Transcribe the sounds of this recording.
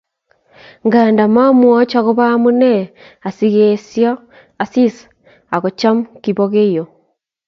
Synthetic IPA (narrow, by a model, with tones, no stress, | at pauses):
ŋɡa˨nda˨ma˦mwɔ˦t͡ʃa˨ɣo˦βa˦mu˦ne˦ | a˨siɣesja˦ | a˨si˦sḁ | a˨ɣo˨t͡ʃa˦mu˦kiβoɣe˦jo˨